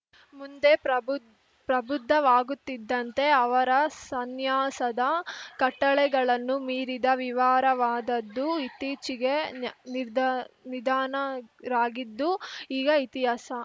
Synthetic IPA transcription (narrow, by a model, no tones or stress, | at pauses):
mund̪e̞ | pɾɐbud̪ʱːɐʋaːɡut̪ːid̪ːɐnt̪e̞ɐʋɐɾɐsɐnjaːsɐd̪ɐkɐʈːɐɭɛɡɐɭɐnːumiːɾid̪ɐʋiʋaːɾɐʋaːd̪ɐd̪ːuit̪iːt͡ʃiɡe̞nid̪nid̪aːnɐɾaːɡid̪ːuiːɡɐit̪iɦaːsɐ